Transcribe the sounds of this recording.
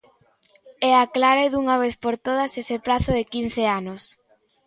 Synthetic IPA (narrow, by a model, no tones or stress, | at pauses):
ɛaklaɾeðuŋaβ̞eθpoɾt̪oð̞asesepɾaθʊðɪkin̟θeanos